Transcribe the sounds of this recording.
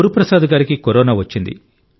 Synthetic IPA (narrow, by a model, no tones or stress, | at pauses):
ɾupɾɐsaːd̪ɐɡaːɾikikoɾɔːnaːʋɐt͡ʃːind̪ḭ